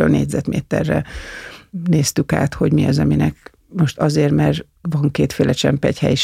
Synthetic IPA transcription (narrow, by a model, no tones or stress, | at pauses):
ølnḛːɟʲzɛt̪mḛːt̪ɛ̰rːɛ̰ | neːst̪yka̰ːt̪ho̞ɟmiɒzɒminɛk̚ | mo̞ʃt̪ɒzeːrmɛr | ʋɒŋkeːt̪feːlʔɛt͡ʃɛmpɛchɛjiʃ